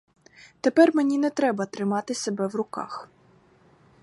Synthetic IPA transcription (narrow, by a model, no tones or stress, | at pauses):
t̪epɛrmenʲinɛt̪ɾɛbɐt̪ɾɪmɑt̪ɪsʲebɛwrʊkɑ̰x